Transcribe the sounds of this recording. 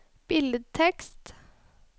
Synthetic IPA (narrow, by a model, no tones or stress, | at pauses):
b̥ɪlət̪ʰɛkst̪